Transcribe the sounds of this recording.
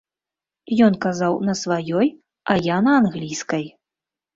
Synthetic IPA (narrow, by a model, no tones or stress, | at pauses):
jɔnkazawnɐsvajɔj | ɐjanɐːnɣlʲijskɐj